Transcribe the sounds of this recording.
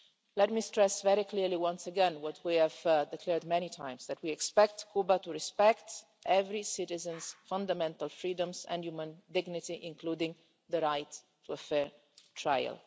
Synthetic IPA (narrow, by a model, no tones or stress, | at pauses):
lɛt̚mistɹɛsvɛɾikliɹliwʌ̃nsəɡɛ̃nwɔtʰwiæv̥dɪkʰlɛɹd̪mɛnitʰãj̃msðætwiɛkspɛk̚tkʰubat̪uɹispɛkt | ʔɛvɾisɪtɪzə̃nsfãnd̪amɛ̃nt̪alfɹiːdə̃mzɛ̰̃ndjumə̃nd̪ɪɡnɪtiʔɪ̃ŋkluːdɪ̃ŋ | d̪əɾajtʰː | uəfɛɹ | tʰɹa̰jə̰l